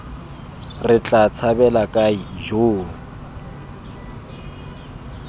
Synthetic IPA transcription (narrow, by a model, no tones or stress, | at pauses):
rɪt͡ɬʼat͡sʰabɛlakʼaiʒoːŋ̩